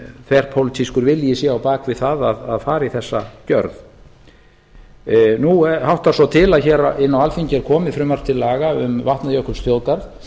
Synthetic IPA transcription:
θʰvɛɾ̥pʰowlɪt̪ʰiskʏɾvɪljɪsjɛawpaːkvɪðθaðaðaðfaːɾiθɛsːacœɾð | nuɛhawht̪asɔt̪ʰɪlaðçɛːɾaɪnːawalfiɲcɪɛɾ̥kʰɔːmɪfɾʏmaɾ̥t̪ʰɪlːaːɣaʏmvaht̪naðjœhkʏsfjowkaɾð

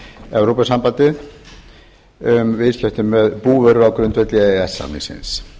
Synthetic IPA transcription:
ɛwɾowpasampat̪ɪð | ʏmvɪscɛht̪ʏmːɛðpuːvœɾʏɾawkɾʏnt̪vɛt̪liɛɛsːa̰nḭsɪ̰ns

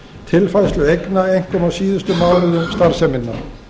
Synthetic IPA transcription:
t̪ʰɪlfajslʏejknaejŋ̥kɔmawsiːðʏst̪ʏmaːwlʏðʏmst̪aɾ̥sɛmɪnːaɾ

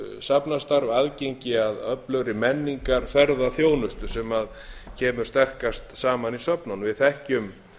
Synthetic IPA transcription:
sapnast̪aɾvaðcejɲcɪaðœplœɣɾɪmɛnːiŋkaɾ̥fɛɾðaθjoːwnʏst̪ʏ̥sɛmað | cʰɛːmʏɾ̥st̪ɛr̥kast̪saːmanisœpnanvɪðθɛhcʏm

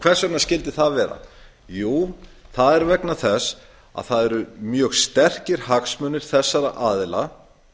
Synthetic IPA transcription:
kʰv̥ɛr̥saɾt̪nascɪlt̪ɪθaðvɛːɾa̰ | juːθaðɛɾvɛknaθɛs | a̰ðθaðɛɾʏmjœːɣst̪ɛr̥cɪɾ̥haksmœnːɪɾ̥θɛsːaɾaʔaːðɪla̰

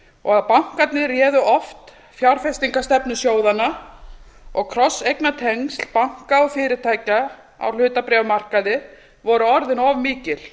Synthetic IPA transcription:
ɔɣaðpawŋ̥kat̪nɪrjɛːðʏʔɔft̪ | fjawɾ̥fɛst̪iŋkast̪ɛpnʏsjoːwðanːa | ɔɣkʰɾɔsːejknat̪ʰeŋst̪l̥pawŋ̥kaɔfɪːɾɪt̪ʰaːjca | a̰wl̥ʏːt̪apɾɛvmar̥kaðɪ | vɔɾʏɔɾðɪnɔvmiːcɪl̥

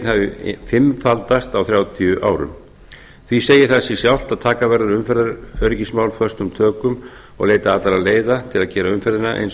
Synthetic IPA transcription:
nhavɪfɪmfalt̪ast̪awθɾjaːwt̪ʰiʏʔa̰ːwɾʏ̰m | θviseːjɪθasisjawl̥t̪aðt̪ʰaːkavɛɾðaɾʏmfɛɾðaœɾcismaːwlfœ̥st̪ʏmt̪ʰœːkʏm | ɔ̰ɣleːjt̪aaːt̪laɾaðleːjðat̪ʰɪlaðcɛːɾaʏmfɛɾðɪnaʔḛjns

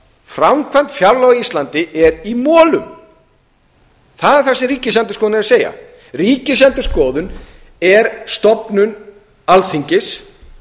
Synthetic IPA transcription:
fɾamkʰvant̪fjaɾlɔɣist̪lant̪ɪʔɛɾimɔːlʏm | θaðɛɾ̥θɛsɪɾiːcɪsɛnt̪ʏskɔːðʏnɛɾaseːja̰ | riːcɪsɛnt̪ʏ̥skɔːðʏn | ɛɾst̪ɔpnʏn | alθiɲcɪs

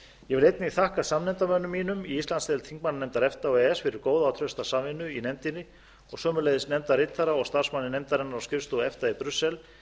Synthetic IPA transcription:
jɛvɪlejt̪nɪiθahkasamnɛnt̪amœnʏmːiːnʏmiist̪lansɛlt̪ʰiŋk̚mananɛmt̪aɾɛft̪aɔɣɛɛsfɪɾɪɾkoːwðaːwt̪ʰɾœst̪asamvɪnːʏinɛmt̪ɪnɪ | ɔɣsœːmʏleːjðɪsnɛmt̪aɾɪt̪θaɾaɔɣst̪aɾ̥smanːɪnɛmt̪aɾɛnːaɾawscɪvst̪ɔɛft̪aipɾʏsːɛl

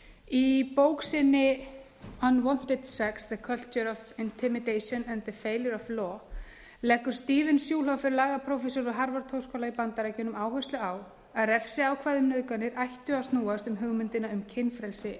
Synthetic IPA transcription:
ipoːwksɪnːɪ | anwɔn̥t̪ɪd̪̥sɛksðəkʰœl̥t͡ʃəɾɔfɪnt̪ʰɪmɪd̪ejsɔnɛnðəfeːjljəɾɔvlɔ | lɛkːʏɾ̥st̪iːvɪnsjuːlɦawfɪɾɪlaːɣapʰɾɔwfɛsɔɾɔɦaɾvaɾt̪ʰowskɔlaipant̪aɾacɛːnʏmaːwhœst̪lʏaw | aðɾɛfsɪawkʰvaːðʏmnʏðkanːɪɾʔajht̪ʏast̪nuːast̪ʏmɦʏɣmʏnt̪ɪnaʏmcʰɪnːfɾɛlsɪ

